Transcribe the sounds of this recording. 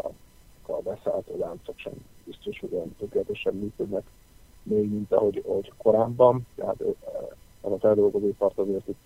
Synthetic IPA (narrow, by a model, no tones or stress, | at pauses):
kɒ̰bɛsaːlt̪oːlaːnt̪sokʃɛ̰mbist̪o̞ʃhoɟɛjnt̪økːelɛt̪eʃɛbmyːkød̪nɛk | meːɡmint̪ɒ̰ɦo̞ɟhoɟko̞ɾaːbːɒnt̪ɛɦa̰t̪ | ɛzɒfɛld̪o̞lɡo̞zoːpɒrt̪ɒzeːrt̪i